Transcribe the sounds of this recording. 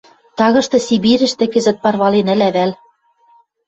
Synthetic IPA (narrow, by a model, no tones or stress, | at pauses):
t̪ɑɣɤ̆ʃt̪ɤ̆siβiɾɘ̆ʃt̪ɘ̆kɘ̆zɘ̆t̪̚pɑrβɑlenɘ̆læβæl